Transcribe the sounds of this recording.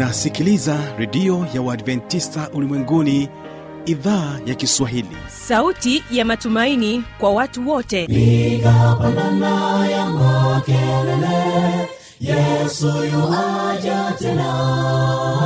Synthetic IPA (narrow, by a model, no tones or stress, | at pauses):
asikilizaɾɛɗiɔjawaadvɛntistaʔulimwɛŋɡuni | iðaːjakiswaɦilḭ | sautijamatumainikwawatuwɔtɛikapananajamakɛlɛlɛ | jɛsujuwad͡ʒatɛna